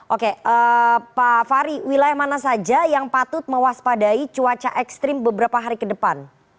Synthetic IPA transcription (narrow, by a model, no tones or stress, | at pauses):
ʔokeʔəpafaɾiwilajahmanasad͡ʒajaŋpat̪ʊt̪̚məwaspadait͡ʃuat͡ʃaʔɛkst̪ɾɪmbəbəɾapaɦaɾikədəpan